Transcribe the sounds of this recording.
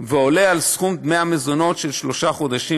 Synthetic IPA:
veo̞le̞alsχummeamezo̞no̞tʃelʃlo̞ʃaχo̞d̪aʃi

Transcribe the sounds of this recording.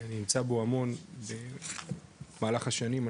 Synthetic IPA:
aninimt͡saboamo̞nbe̞ | maːlaχaʃanima

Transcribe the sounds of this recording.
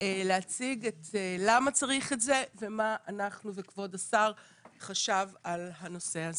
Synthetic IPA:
leat͡siɡetelamat͡saʁiχetze̞ve̞maʔanaχnuvekvo̞dasaʁ | χaʃavalɦano̞se̞aze

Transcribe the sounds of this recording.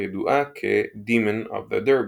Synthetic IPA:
ɛd̪uʔakʰḛd̪iːmə̃nɔ̰vðə̰d̪ə˞b

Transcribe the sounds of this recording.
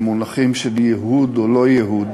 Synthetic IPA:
munaχimʃeljeɦud̪olo̞jeɦud̪

